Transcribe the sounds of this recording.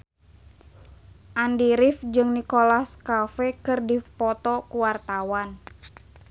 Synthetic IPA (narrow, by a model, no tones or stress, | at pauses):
ʔandiɾifd͡ʒɨŋnikolaskafɛkɨrdipɔt̪ɔkuwart̪awan